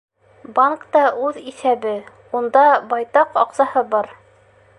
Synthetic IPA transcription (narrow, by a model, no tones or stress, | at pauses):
baŋkt̪ɑʔʉðisæbɘ | und̪ɑbɑjt̪ɑqɑqsɑhɤbɑɾ